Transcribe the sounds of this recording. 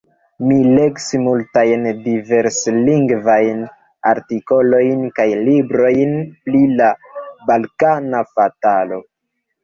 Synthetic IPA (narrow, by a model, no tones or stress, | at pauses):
mile̞ksimultajndive̞ɾsliŋɡvajn | a̰ɾtiko̞lo̞jnkajlibɾo̞jnplilabalkanafatalo̞